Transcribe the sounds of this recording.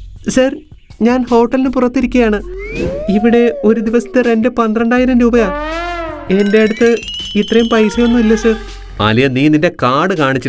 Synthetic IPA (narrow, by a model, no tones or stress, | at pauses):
sɐr | ɲaːnho̞ːʈːɐlinɨpurɐt̪ːiɾikʲːɐjaːɳɨ | iʋiɽe̞o̞ɾud̪iʋɐsɐ̥t̪ːɨre̞ndɨpɐnd̪rɐɳɖaːjiɾɐmɾuːbɐjaː | e̞nde̞ɐɽut̪ːɨit̪rɐjumpɐjsɐjonːuilːɐsɐr | a̰lijɐniːninde̞kaːɽɨkaːɳit͡ɕː